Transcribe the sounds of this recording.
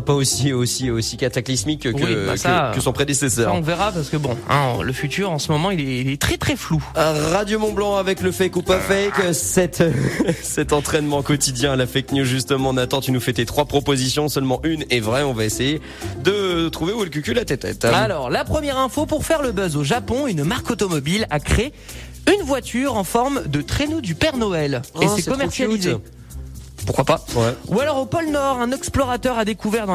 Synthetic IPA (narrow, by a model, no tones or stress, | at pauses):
paosiosiosikat̪aklismikːkə̰akəsɔ̃pχed̪esesœːʁʁɔ̃vɛʁapaʁsə̥kəbɔ̃ɛ̰̃ləfyt̪yʁɑ̃smɔmɑ̃ilɛilɛt̪χɛt̪χɛfluʁad̪jomɔ̃blɑ̃avɛkləfɛjkupafɛksɛt̪ | sɛt̪ɑ̃t̪χɛnmɑ̃kɔt̪id̪jɛ̃lafɛjknjuzʒyst̪əmɑ̃nat̪ɑ̃t̪ynufɛt̪et̪χwapχɔpozisjɔ̃sœlmɑ̃ʔynɛvʁɛɔ̃vaeseje | d̪ət̪χuveuɛlk̬ʲykʲylat̪ɛt̪ɛ̰t̪alɔʁlapχəmjɛʁɛ̃fopuʁfɛʁləbœzoʒapɔ̃ynmaʁkot̪ɔmɔbilakχee | ynvwat̪yʁɑ̃fɔʁmd̪ət̪χenod̪ypɛʁnɔɛlesɛkɔmɛʁsjalize | puʁkwapawɛualɔʁopɔlnɔʁɛ̃nɛksplɔʁat̪œʁad̪ekuvɛʁd̪ɑ̃